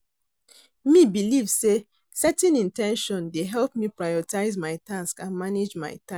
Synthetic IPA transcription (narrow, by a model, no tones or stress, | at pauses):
mibilivse | sɛtɛ̃nĩntɛ̃nʃɔ̃ndeɦɛlpmipɹajɔtaɪzmaɪtãnskãnmaned͡ʒma̰ɪtã